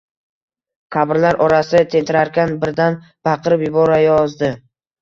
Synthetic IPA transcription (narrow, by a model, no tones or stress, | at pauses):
qʰabɪɾlaɾʔɒɾasɪt̪ʰe̞nt̪ʰɪɾaɾkʲanbɪɾd̪an | b̥aqʰɨɾɪpjʊbɒɾajɒzd̪ɪ